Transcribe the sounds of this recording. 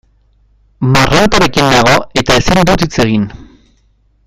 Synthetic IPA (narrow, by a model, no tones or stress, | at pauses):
marat̪aɾe̞kinaɣ̞o̞e̞t̪ae̞sind̪ut̪it͡se̞ɣ̞in